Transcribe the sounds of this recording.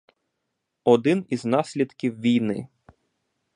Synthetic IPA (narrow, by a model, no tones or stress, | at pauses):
ɔd̪ɪniznɑsʲlʲid̪kʲiwʋʲijnɪ̰